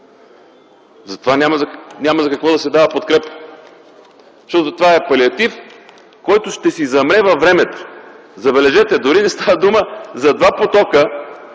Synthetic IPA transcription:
zɐt̪ovanʲaməznʲamɐzɐkɐkvɔd̪ɐsɛd̪avəpot̪̚kɾɛpə̥ | ʃt̪ɔt̪ot̪ovaɛpɐliɐt̪if | kɔjt̪ʊʃt̪ɛsizɐmɾɛvɐvɾɛmɛt̪o̥ | zɐbɛlɛʒɛt̪ɛd̪oɾinɛst̪avəd̪uməzɐd̪vapot̪ɔkə

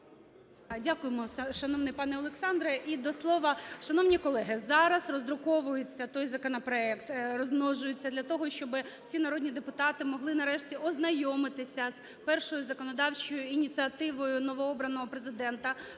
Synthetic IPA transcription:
dʲakʊjɪmɔʃɐnɔʋnɪjpɑnɛɔlˠeksɑnd̪ɾɐʔid̪ɔslˠɔʋɐʃɐnɔwnʲikɔlˠɛɦɪzɑɾɐsrɔzd̪ɾʊkɔʋʊjʊt͡sʲːɐt̪ɔjzɐkɔnɐpɾɔɛkt̪rɔzmnɔʒʊjʊt͡sʲːɐd̪lʲɐt̪ɔɦɔʃt͡ʃɔbɪw̥sʲinɐɾɔdʲnʲid̪epʊt̪ɑt̪ɪmɔɦlˠɪnɐɾɛʃtʲiɔznɐjɔmɪt̪ɪsʲɐz̥ | pɛrʃɔjʊzɐkɔnɔd̪ɑwt͡ʃɔjʊinʲit̪t͡s̪ɨɐt̪ɪʋɔjʊnɔʋɔɔbɾɐnɔɦɔpɾezɪd̪ɛnt̪ɐ

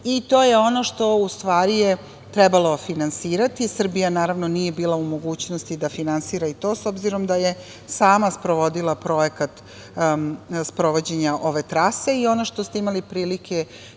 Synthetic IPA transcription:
it̪o̞ːjeo̞no̞ʃt̪o̞ust̪ʋaːɾije | t̪ɾɛbalˠo̞finansiːɾat̪isr̩bijanaːɾaʋno̞nijebiːlˠaumo̞ɡuːt͡ɕnost̪id̪afinansiːɾait̪o̞ːso̞bziɾo̞md̪aje | saːmaspɾoʋo̞d̪ilˠapɾo̞jekat̪ | spɾo̞ʋo̞d͡ʑe̞ɲaʔo̞ʋe̞t̪ɾase̞io̞noʃt̪o̞st̪eimalipɾiːlikʰe

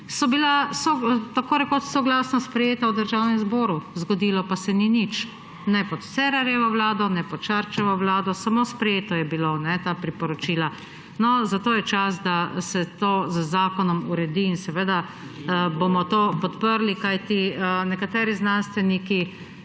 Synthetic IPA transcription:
sɔbilasot̪akoːɾɛkot̪sɔɡlaːsnɔspɾɛjeːt̪awd̪əɾʒawnɛmzbɔːɾuzɡɔd̪iːlɔpasɛninit͡ʃ | nɛpɔt̪sɛɾaɾjɛʋɔwlaːd̪ɔnɛpɔt̪̚ʃaɾt͡ʃɛʋɔʋlaːd̪ɔsamoːspɾɛjeːt̪ɔjɛbilonɛt̪aːpɾipɔɾɔt͡ʃiːla | nɔzat̪oːjɛt͡ʃas̬d̪asɛt̪oːzəzaːkɔnɔmuɾɛd̪iːnsɛʋeːd̪a | bomɔt̪oːpɔt̪pəɾlikajt̪inɛkat̪ɛːɾiznanst̪ʋɛniki

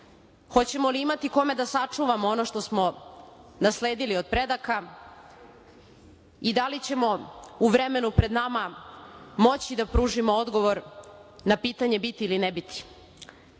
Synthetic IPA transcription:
xo̞t͡ɕe̞mo̞liimat̪iko̞me̞d̪asat͡ʂuʋamoono̞ʃt̪o̞smo̞ | nasle̞ːd̪ilio̞d̪̚pɾe̞d̪aka | id̪alit͡ɕe̞mo̞uʋɾeme̞nupɾe̞d̪nama | mo̞t͡ɕid̪apɾuːʒimood̪ɡo̞ʋo̞ɾnapiːt̪aɲe̞bit̪iilinebit̪i̥

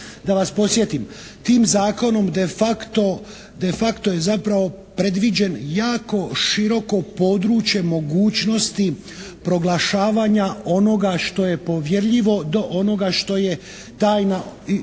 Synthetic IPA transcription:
d̪aʋaspo̞sje̞t̪imt̪iːmzaːko̞no̞md̪efakt̪o | d̪e̞fakt̪o̞je̞zapɾaʋo̞ | pɾe̞d̪ʋid͡ʑe̞njaːko̞ʃiɾo̞ko̞po̞d̪ɾuːt͡ʃje̞mo̞ɡuːt͡ʃno̞st̪i | pɾo̞ɡlaʃaːʋaɲao̞no̞ɡaʃt̪o̞je̞po̞ʋje̞ɾʎiʋo̞d̪o̞ʔo̞no̞ɡaʃt̪o̞je̞ | t̪aːjna

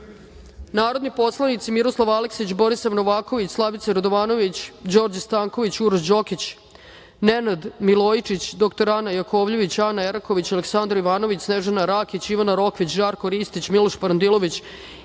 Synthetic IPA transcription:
naːɾo̞d̪nipo̞slˠanit̪simiɾo̞slˠaʋaleksit͡ɕbo̞ɾisaʋnoʋaːko̞ʋit͡ɕslˠaʋit̪seɾod̪oʋaːno̞ʋit͡ɕd͡ʑo̞ːɾd͡ʑst̪aːŋkoʋit͡ɕuɾʃd͡ʑo̞kit͡ɕ | nenad̪milˠoːjt͡ʂit͡ɕd̪okt̪oɾanajakoːʋʎiʋit͡ɕanaeɾako̞ʋit͡ɕaleksand̪ɾoiʋaːno̞ʋit͡ɕsneʒenaɾakit͡ɕiʋanaɾo̞kʋit͡ɕʒaːɾkoɾiːst̪it͡ɕmiloʃpaɾand̪ilˠo̞ʋit͡ɕ

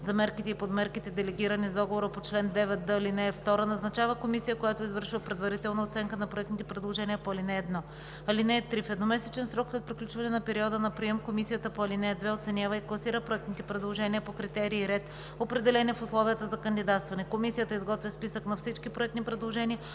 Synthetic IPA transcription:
zɐmɛɾkit̪ɛipod̪mɛɾkit̪ɛd̪ɛlɛɡʲiɾənizd̪ɔɡovoɾəpot͡ʃlɛnd̪ɛvɛt̪̚d̪əlinɛːft̪ɔɾənɐznɐt͡ʃavəkomisijəkojat̪oizvɤɾʃivəpɾɛd̪vɐɾit̪ɛlˠnɐot̪sɛŋkənɐpɾoɛkt̪nit̪ɛpɾɛd̪lˠoʒɛniəpoɐlinɛːd̪nɔ | ɐlinɛːt̪ɾifɛd̪nomɛsɛt͡ʃɛnsɾɔkslɛt̪pɾiklʲut͡ʃvɐnɛnɐpɛɾiɔd̪ənɐpɾiɛmkomisijət̪əpoɐlinɛd̪vɛot̪sɛnʲjavəiklˠɐsiɾəpɾoɛk̚tnit̪ɛpɾɛd̪lˠoʒɛniəpokɾit̪ɛɾiːɾɛt̪ | opɾɛd̪ɛlɛnʲiɛfʊslˠɔvijət̪əzɐkənd̪id̪at̪st̪vɐnɛkomisijət̪əizɡɔt̪vʲiəspisəknɐfsit͡ʃkipɾoɛkt̪ipɾɛd̪lˠoʒɛnʲiə

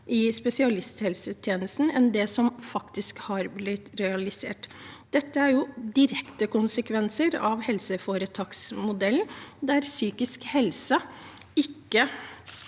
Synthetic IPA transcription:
ʔɪspɛsɪɑlɪst̪hɛlsət̪ʰjeːnəst̪n̩ɛnd̪ɛsɔmfɑkt̪ɪskhɑɾblɪt̪ɾɛɑlɪsḛːʈd̪̥ɛt̪ːəæɾjʊd̪ɪɾɛkt̪əkʊnsəkʰʋɛnsəɾɑʋhɛlsəfoːɾət̪ʰɑːksmʊd̪ɛlnd̪æɾsyːkɪskhɛlsə | ɪkːə

